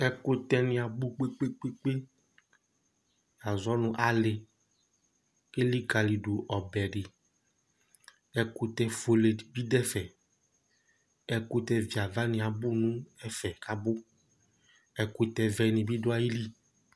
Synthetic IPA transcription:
ɛ˦ko˦t̪ɛ˦nĩ˨a˨bu˦k͡pe˦k͡pe˦k͡pe˦k͡pe˦ | ja˨zɔ˦nũ˦ʔa˨le˨ | e˦li˦ka˨li˨ɖo˨ʔɔ˨bɛ˨ɖɪ˨ | ɛ˦ko˦t̪ɛ˦fo˨le˨bi˦dɛ˦fɛ˨ | ɛ˨ko˦t̪ɛ˦vi˨a˨va˦nĩ˨a˨bu˦nũ˦ɛ˦fɛ˨ka˦bo˦ | ɛ˨ko˦t̪ɛ˨vɛ˨nĩ˨bi˦dʊ˦a˦ji˦li˦

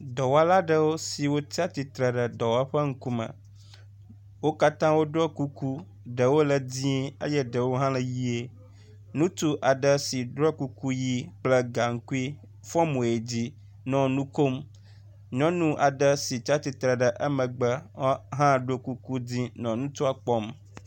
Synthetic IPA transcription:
d̪ɔ˨wa˦la˦ɖə˨wo˦si˨wo˦ti˦a˦t̪i˨t̪ɾə˨ɖə˨d̪ɔ˨wa˦ɸə˦ŋ̩˦kũ˦mə̰̃˨ | wo˦ka˦t̪ã˦wo˦ɖɔ˦ku˦ku˦ | ɖə˨wo˦lə˨dĩ˦e˦jɛ˦ɖə˨wo˦ɦã˦lə˨ji˦e˦ | nũ˦t̪u˦ʔa˨ɖə˨si˨ɖɾɔ˦ku˦ku˦ji˦k͡plə˦ɡa˨ŋ̩˦ku˦i˦ | fɔ˦mũ˨e˨d͡ʑi˦ | nɔ̃˨nũ˦ko˦m | ɲɔ̃˦nũ˦ʔa˨ɖə˨si˨t͡ɕa˦t̪i˨t̪ɾə˨ɖə˨ʔə˦mə̃˨ɡ͡bə˦ɦã˦˨ɖo˦ku˦ku˦dĩ˦nɔ̃˨nũ˦t̪u˦a˨k͡pɔ˦m

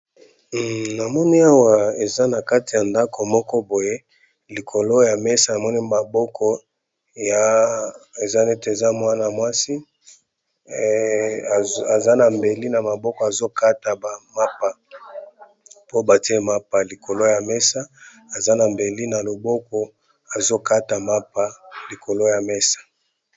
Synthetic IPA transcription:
na˨mɔ˦ni˦a˦wa˨e˨za˦na˨ka˦ti˨ja˨nda˦ko˨mɔ˦kɔ˦bo˨je˦ | li˨kʰo˨lo˦ja˨mɛ˦sa˨na˨mɔ˦ni˦ma˨bɔ˦kʰɔ˦ | ja˨ | e˨za˦ne˦te˨za˦mwa˦na˨mwa˦si˦˨ | a˨za˦na˨mbe˨li˦na˨ma˨bɔ˦kɔ˨a˨zo˦ka˦ta˨ba˨ma˦pa˨ | po˦ba˨ti˦e˦ma˦pa˨li˨kʰo˨lo˦ja˨mɛ˦sa˦ | a˨za˦na˨mbe˨li˦na˨lo˨bɔ˦kɔ˦ | a˨zo˦ka˦ta˨ma˦pa˦li˨ko˨lo˦ja˨mɛ˦sḁ˨

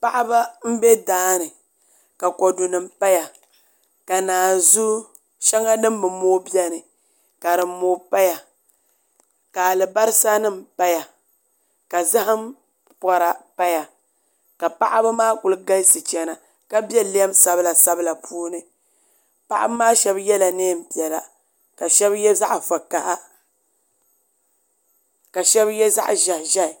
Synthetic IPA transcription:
pa˦ʔa˦ba˦m̩˦bɛ˦daː˦nɨ˨ | ka˨kɔ˨du˨nɨ˨m̩pa˦ja˨ | ka˨naː˨zu˦ | ʃɛ˦ŋa˦nɨ˦m˦bɨ˨moː˦bi˦ɛ˦nɨ˨ | ka˨ɾɨ˨˦moː˨˦pa˦ja˨ | ka˨lɨ˨ba˦ɾɨ˦sa˦nɨ˦m̩˨pa˦ja˨ | ka˨za˦ɦa˦m | pɔ˦ɾa˨pa˦ja˨ | ka˨pa˦ʔa˦bɨ˦maː˦kʊ˨lɨ˦ɡa˦sɨ˨t͡ʃɛ˨na˨ | ka˦bɛ˦li˦ɛ˦msa˦bɨ˦la˨sa˦bɨ˦la˨pʰuː˦nɨ˨ | pa˦ʔa̰˦bmaː˦ʃɛ˦bjɛ˦la˨neː˦˨m̩˨pi˨ɛ˨la˨ | ka˨ʃɛ˦bjɛ˦za˦ʔfa˨ka˨ʔa˦ | ka˨ʃɛ˦bjɛ˦za̰˦ʔʒa˨hʒa˦˨

